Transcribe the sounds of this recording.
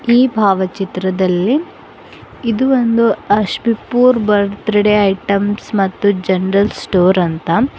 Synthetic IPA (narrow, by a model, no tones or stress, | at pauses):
iːbʱaːʋɐt͡ʃit̪ɾɐd̪ɐlːi | id̪uʋond̪uɐʃbipuːɾbɐɾt̪ɾɐɽeɐjʈɐmsmɐt̪ːud͡ʒɐnɾɐlsʈoːɾɐnt̪ɐ